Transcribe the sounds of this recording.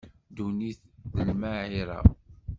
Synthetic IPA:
d̪uniθðəlmaʕiɾˤɑ̰

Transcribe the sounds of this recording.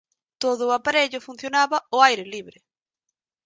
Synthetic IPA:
t̪oðʊːapaɾeʎʊfun̟θjonaβɐʊajɾɪliβɾɪ

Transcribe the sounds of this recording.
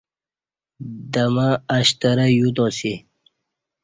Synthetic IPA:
d̪əmaːɕt̪əɾəjut̪õsi

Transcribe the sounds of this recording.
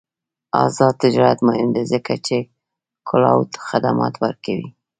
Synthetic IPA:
ɑzɑd̪̚t̪ɪd͡ʒɑɾat̪mahɪnd̪ezəkat͡ʃe | kʰʊlɑwt̪xad̪amɑ̰t̪waɾkawi

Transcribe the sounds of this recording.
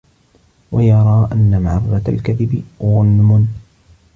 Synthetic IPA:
wajɑɾˤɑːʔanːamaʕɑrˤːɑtalkaðɪbɪɣʊlmʊn

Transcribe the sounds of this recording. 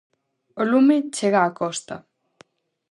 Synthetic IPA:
olumit͡ʃeɣaːkost̪a

